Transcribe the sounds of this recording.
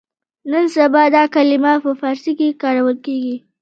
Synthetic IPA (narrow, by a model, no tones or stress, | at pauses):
nənsabɑd̪ɑkalɪmapəfɑɾsikekɑɾawəlkeɡi